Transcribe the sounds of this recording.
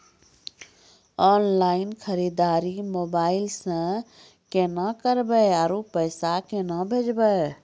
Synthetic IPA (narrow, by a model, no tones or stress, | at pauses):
ɔːnlaːɪnkʰəɾid̪aɾimobaːɪlsə̃ | kenakəɾbəjaɾupəjsakenəbʱed͡ʒbəj